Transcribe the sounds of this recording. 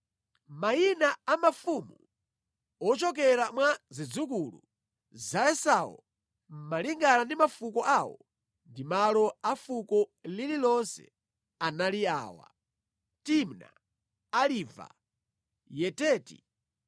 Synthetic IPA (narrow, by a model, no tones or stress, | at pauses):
mainaamafumu | ɔt͡ʃɔk̬ɛɾamwazid͡zukulṵ | zaɛsawɔ̰ | m̩maliŋɡanandimafukɔʔawɔ̰ | ndimalɔafukɔlililɔnsɛ̰ | analia̰ːwa̰ | timna̰ | aliva̰ | jɛtɛːtḭ